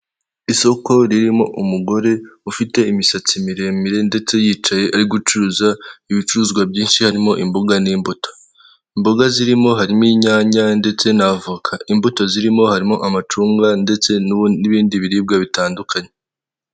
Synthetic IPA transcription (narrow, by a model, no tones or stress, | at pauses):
iso̞ko̞ɾiɾimo̞ʔumuɡo̞ɾe̞ufite̞imisat͡simiɾe̞miɾe̞nde̞t͡se̞jiːt͡ʃaje̞ʔaɾiɡut͡ʃuːzaiβit͡ʃuuzɡwabɟiːnʃihaɾimo̞ʔimboɡaniːmboto̥ | imboɡaziɾimo̞ɦaɾimiːɲaːɲande̞t͡se̞navukʰaimbuto̞ziɾimo̞haɾimo̞ʔamat͡ʃuːŋɡande̞t͡se̞nuniβiːndiβiɾiːb̚ɡaβitaːndukʰaɲe